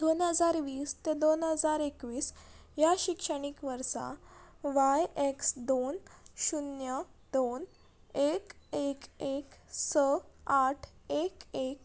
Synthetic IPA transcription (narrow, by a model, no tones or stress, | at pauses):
d̪̥onɦəd͡zaɾʋiːst̪ed̪onɦəd͡zaɾekʋiːs | jaɕikʂəɽ̃ikʋəɾsa̰ʋajeksd̪onɕunjəd̪on | ekekeksəaʈʰekek̚